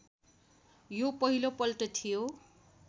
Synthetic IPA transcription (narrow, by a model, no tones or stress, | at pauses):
jopʌɦilopʌlʈʌt̪ʰijo